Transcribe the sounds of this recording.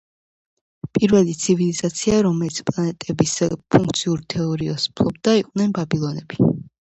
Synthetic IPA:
pʼiɾvɛlit̪sʰivilizat̪sʰiaɾɔmɛlit̪sʰpʼlˠanɛt̪ʼɛbispʰuŋk̚ʰt̪sʰiuɾt̪ʰɛɔɾiɔspʰlˠɔb̚d̪aiqʼnɛnbabilˠɔnɛbi

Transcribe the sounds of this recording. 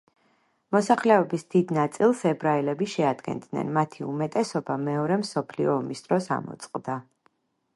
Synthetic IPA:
mɔsaχlɛɔbisd̪̥id̪nat̪sʼilˠsɛbɾaɛlɛbiʃɛad̪ɡɛ̰nd̪nɛ̰nmat̪ʰiumɛt̪ʼɛsɔbamɛɔɾɛmsɔpʰliɔːmisd̪ɾɔsa̰mɔ̰t̪sʼqʼd̪a

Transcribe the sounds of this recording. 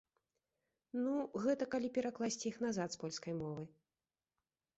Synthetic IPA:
nuɣɛt̪ɐkalʲipʲɛɾaklˠasʲt͡sʲjixnazat̪spɔlʲskɐjmɔvɨ

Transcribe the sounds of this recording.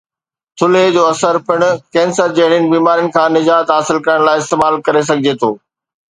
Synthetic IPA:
t̪ʰʊled͡ʑoːɐsəɾpɪɽ̃ʊkɛ̃ːnsəɾd͡ʑeːɽ̃ɪnɪ̆biːmaːɾijənɪ̆kʰãːnɪd͡ʑaːt̪ɦaːsɪlkɐɾəɽ̃laːɪɪst̪eːmaːlkɐɾes̬ɐɡʱɪd͡ʑet̪ʰo̰ː

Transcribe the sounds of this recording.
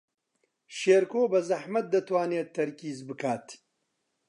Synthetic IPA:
ʃeːɾkoːbɐzɐħmɐt̪̚d̪ɐt̪waːneːt̪ʰːɐɾkiːzbɨkʰaːt̪

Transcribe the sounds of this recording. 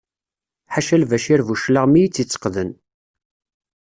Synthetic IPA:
ħaʃælvæʃiɾvuʃləʁmijit͡sːit͡sːə̥qðən

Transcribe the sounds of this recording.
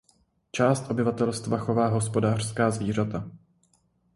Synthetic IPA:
t͡ʃaːst̪ʔo̞bɪvat̪ɛlst̪vaxo̞vaːɦo̞spo̞daːr̥skaːzviːr̝at̪a

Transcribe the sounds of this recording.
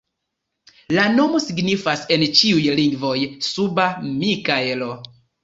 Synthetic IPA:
lano̞mo̞siɡnifase̞nt͡ʃiujliŋɡvo̞jsubamikaelo

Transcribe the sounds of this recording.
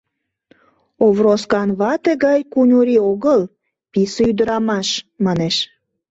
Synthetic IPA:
oβroskɑnβɑt̪eɣɑjkunʲuɾioɣəl | piseyd̪əɾɑmɑʃmɑneʃ

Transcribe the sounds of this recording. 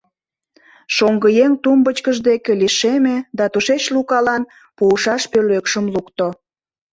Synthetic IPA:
ʃoŋɡəjeŋt̪umbət͡ɕkəʒd̪ekeliʃemed̪ɑt̪uʃet͡ɕlukɑlɑn | puːʃɑʃpøløkʃəmlukt̪o

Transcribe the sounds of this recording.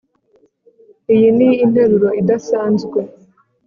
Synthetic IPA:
ijiniin̥he̞ɾuɾo̞idasaːnzɡwe̞

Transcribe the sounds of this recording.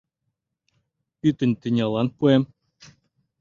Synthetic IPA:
pyt̪ɘ̆nʲt̪ɘ̆nʲɑlˠɑnpuem

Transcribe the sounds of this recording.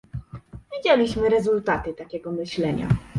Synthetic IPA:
vʲid͡ʑɛlʲiɕmɘɾɛzult̪at̪ɘt̪akʲɛɡɔmɘɕlɛɲa̰

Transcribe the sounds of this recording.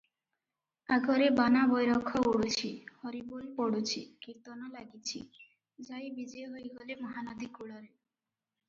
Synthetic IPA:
aɡɔɾebanabɔjɾɔkʰːɔoɽut͡ɕʰihɔɾibulpɔɽut͡ɕʰikiɾt̪ɔnɔlaɡit͡ɕʰḭ | d͡ʒajbid͡ʒɔoɦojɡolemɔɦanad̪ikuɭɔɾe

